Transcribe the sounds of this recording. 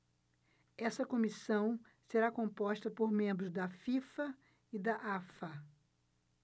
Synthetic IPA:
ɛsɐkõmisɐ̃w̃ | seɾakõmpɔʃt̪ɐpoɾmẽmbɾʊzd̪ɐfifɐ | id̪ɐʔafɐ

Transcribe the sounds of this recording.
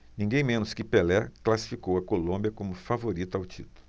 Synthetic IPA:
nĩŋɡẽj̃mẽnʊskɪpelɛklasi̥fikowɐkolõmbjɐkõmʊfavoɾit̪ʊawt͡ʃit̪ʊlʊʊ

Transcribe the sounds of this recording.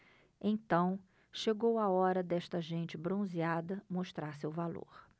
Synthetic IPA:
ẽt̪ɐ̃w̃ | ʃeɡowaɔɾɐd̪ɛʃt̪ɐʒẽnt͡ʃɪbɾõziad̪ɐmoʃt̪ɾaɾsewvalo̰ɾ

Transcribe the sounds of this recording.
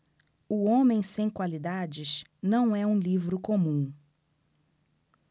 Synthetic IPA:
ʊõmẽj̃sẽj̃kwalid̪ad͡ʒɪʃnɐ̃w̃ɛũlivɾʊkõmũ

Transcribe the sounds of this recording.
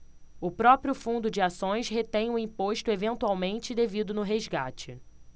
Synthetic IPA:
ʊpɾɔpɾjʊfũnd̪ʊd͡ʒɪasõj̃sɦet̪ẽj̃ʊĩpoʃt̪ʊevẽnt̪uawmẽnt͡ʃɪd̪evid̪ʊnʊɦezɡa̰t͡ʃɪ̰

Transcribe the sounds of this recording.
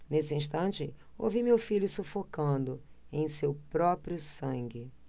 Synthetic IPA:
nesɪĩʃt̪ɐ̃nt͡ʃɪo̰wvimewfiʎʊsufokɐ̃nd̪ʊẽj̃sewpɾɔpɾijʊsɐ̃ŋɡɪ

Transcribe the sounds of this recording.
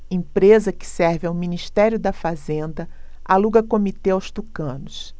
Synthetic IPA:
ẽpɾezɐkɪ̥sɛɾvɪawminiʃt̪ɛɾjʊd̪ɐfazẽnd̪ɐ | a̰luɡɐkomit̪eawst̪ukɐ̃nʊs

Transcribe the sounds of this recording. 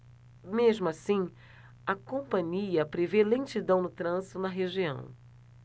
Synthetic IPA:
meʒmʊasĩ | ɐkõpɐ̃ɲiɐpɾevelẽt͡ʃid̪ɐ̃w̃nʊt̪ɾɐ̃zit̪ʊnɐɦeʒiɐ̰̃w̃

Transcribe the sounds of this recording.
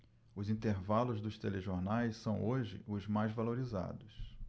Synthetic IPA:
ʊzĩnt̪eɾvalʊzd̪ʊst̪eleʒoɾnajsːɐ̃w̃oʒɪ̰ʔʊzmajzvaloɾiza̰d̪ʊs

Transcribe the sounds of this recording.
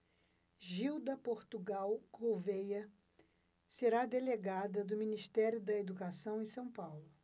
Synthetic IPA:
ʒiwd̪ɐpoɾt̪uɡawkʰowvejɐ | seɾad̪eleɡad̪ɐd̪ʊminiʃt̪ɛɾjʊd̪ɐed̪ukasɐ̃w̃ẽsɐ̃w̃pawlʊ

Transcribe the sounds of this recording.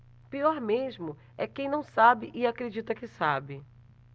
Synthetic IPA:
piɔɾmeʒmʊ | ɛkẽj̃nɐ̃w̃sabɪʔɪakɾed͡ʒit̪ɐkɪsabɪ

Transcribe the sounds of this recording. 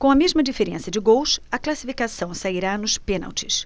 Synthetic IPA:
kõɐmezmɐd͡ʒifeɾẽsɐd͡ʒɪɡowsɐklasifikasɐ̃w̃saiɾanʊspẽna̰wt͡ʃɪ̥s

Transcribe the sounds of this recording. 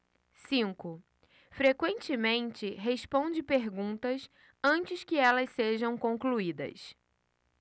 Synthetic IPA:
sĩŋkʊ | fɾekwẽnt͡ʃɪmẽnt͡ʃɪɦespõd͡ʒɪpeɾɡũt̪ɐs | ɐ̃t͡ʃɪskɪɛlɐsseʒɐ̃w̃kõŋkluid̪ɐ̰s

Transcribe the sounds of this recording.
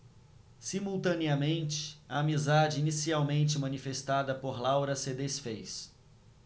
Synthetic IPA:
simuwt̪ɐ̃niɐmẽnt͡ʃɪ̥ɐ̰amizad͡ʒɪinisiawmẽnt͡ʃɪmɐ̃nifest̪ad̪ɐpoɾlawɾɐsɪd̪esfejs

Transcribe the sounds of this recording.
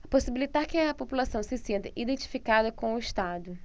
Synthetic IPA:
posibilit̪aɾkɪɐpopulasɐ̃w̃sɪsẽnt̪ɐʔid̪ẽt͡ʃi̥fikad̪ɐkõw̃ʊɪʃt̪ad̪ʊ

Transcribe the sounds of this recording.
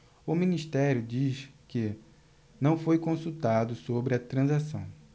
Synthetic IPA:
ʊmĩniʃt̪ɛɾjʊd͡ʒiʃkɪ | nɐ̃w̃fojkõsut̪ad̪ʊsobɾɪɐt̪ɾɐ̃zasɐ̰̃w̃

